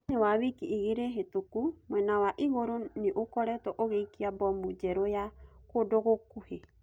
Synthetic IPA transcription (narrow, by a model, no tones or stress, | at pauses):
niwaβikiʔiɡiɾeɦetukumwɛnawaʔiɣoɾoniʔokɔɾɛt̪ɔʔoɣejkiabɔmud͡ʒɛɾojakodɔɣokuhe